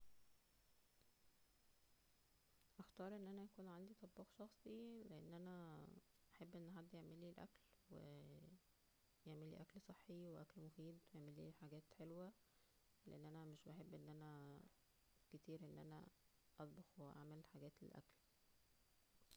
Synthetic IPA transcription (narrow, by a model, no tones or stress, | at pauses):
ʔɑxt̪ɑːɾˤʔenːʔænæjækuːnʕand̪it̪ˤɑbːɑːxʃɑxsˤileʔenːʔænæ | ʔaħebːʔenːɦad̪ːʔeʕmelːiːlʔæ̰klwḛ | jeʕmelːḭːʔæklsˤeħːiweʔæklmofiːd̪wjeʕmelːḭːħaɡæːt̪ħelwæ | leʔenːʔænæmeʃbeħebːʔenːʔænæ | ket̪iːɾʔenːʔæ̰næ̰ | ʔɑt̪ˤbɑxweʔa̰ʕmelħaɡæːt̪lḛlʔæ̰kl